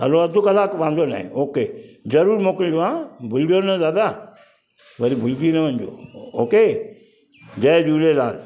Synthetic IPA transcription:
ɦɐ̰loɐd̪ukɐlaːkʋãːnd̪ona̰ːɦḭ̃oːked͡ʒɐɾuːɾmoːkɪld͡ʒoʋãbʱʊlɖonɐzaːd̪a | ʋɐɾibʱʊlɡinɐʋɐɲd͡ʒo̰ːoːke | d͡ʒɐd͡ʒuːlelaːl

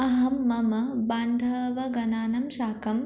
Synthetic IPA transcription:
ɐɦɐmːɐmɐbaːnd̪ʱɐʋɐɡɐnaːnɐmʃaːkɐm

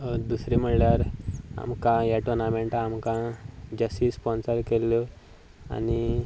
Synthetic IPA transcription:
ɦod̪usɾim̤əɽljaɾa̰mkãjaʈonameɳʈamkãd͡ʑəsʈiːspɔnsəɾkelːjɔ | a̰ni

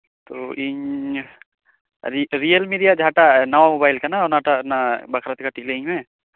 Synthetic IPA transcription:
t̪o̰i | ɾɾijəlmiɖijad͡ʒʱaːʈanɐʋamobaːɪlkananaːʈanabɐkʰɾət̪kaʈikleŋmẽ

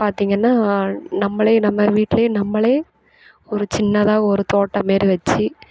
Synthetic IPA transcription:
paːɾt̪iːŋɡɐnːaːnɐmːɐɭeːnɐmːɐʋiːʈːɪleːnɐmːɐɭeː | ɔɾɯt͡ʃɪnːɐðaːɣɐɔɾɯt̪oːʈːɐmeːɾiʋɐt͡ʃːi

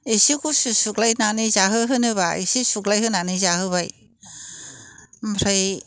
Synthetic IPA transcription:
esikususuklajnanizaɦɯɦɯnɯβaesisuklajɦɯnanɯzaɦɯβaj | mʰɾɯj

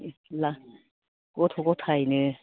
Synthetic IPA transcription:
la | ɡɔt̪ʰɔɡɔt̪ʰajnɯ

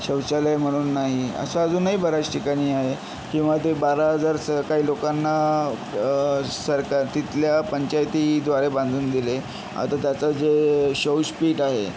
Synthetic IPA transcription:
ɕəwɕalajm̤əɽ̃uːnːaɦiə̰saːd͡zuːnːaɦiːbəɾat͡sʈʰikaɽ̃iːaɦe | kĩw̃ʋat̪̬ebaɾaɦəd͡zaɾsəɾkaiːlokanːa | səɾkaɾt̪it̪ljapəɲt͡ɕajt̪id̪ʋaɾebãnd̪ʱuːnd̪ile | a̰t̪at̪jat͡sad͡zeɕəwspiːʈaɦḛ

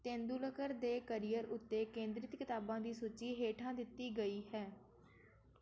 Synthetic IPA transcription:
t̪ẽːnd̪uːləkəɾd̪eːkəɾijəɾʊt̪ːeːkẽːnd̪ɾɪt̪kɪt̪aːbãːd̪iːsut͡ʃiːɦeːʈʰãːd̪ɪt̪ːiːɡəiːɦɛː

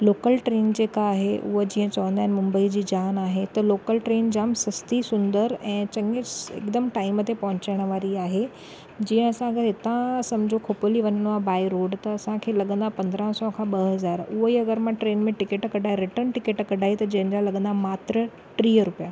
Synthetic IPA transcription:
loːkəlʈɾeːnd͡ʑeːkaːɦeʔʊ̰ɦəd͡ʑiːə̃t͡ɕɐʋə̃nd̪aːɦɪnmʊ̃mbəid͡ʑiːd͡ʑaːnaːɦet̪ɐloːkəlʈɾeːnd͡ʑaːmsɐst̪isʊ̃nd̪əɾɛ̃ːt͡ɕɐŋɪsɪ̰kd̪əmʈaːɪmət̪epɐɦʊ̃t͡ɕaɽ̃ʋaːɾiaːɦe | d͡ʑĩːə̃ɐsãɐɡəɾɦɪt̪ãsɐmd͡ʑʱokʰopoliʋɐɲənabaːiɾoːɖt̪ɐːsãkʰeːlɐɠə̃nd̪apɐ̃nd̪ɾə̃ɦsɔkʰãɓɐɦɐzaːɾʊɦoiɐɡəɾmãʈɾeːnmẽʈɪkeʈkɐɖʱaːɦeɾɪʈəɾnʈɪkeʈkɐɖʱaːɦit̪ɐd͡ʑɐ̃ɦɪ̃nd͡ʑalɐɠə̃nd̪amaːt̪ɾə | ʈɾiːɾʊpjaː

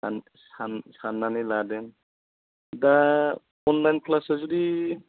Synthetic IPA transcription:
an | sansanːaniladɛn | da | ɔnlajnpʰlasazudi

